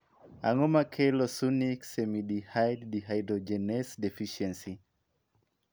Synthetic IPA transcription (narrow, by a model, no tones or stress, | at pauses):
a̰ŋɔmakʰɛlɔsuniksɛmiɗihajddiɦajdɾɔd͡ʒɛnɛsdɛfiʃɛnsi